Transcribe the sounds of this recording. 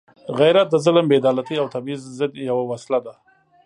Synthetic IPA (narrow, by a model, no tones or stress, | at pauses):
ɣajɾat̪̚d̪əzʊləmbed̪ɑlat̪iawt̪ʰabizzɪd̪jawawaslad̪a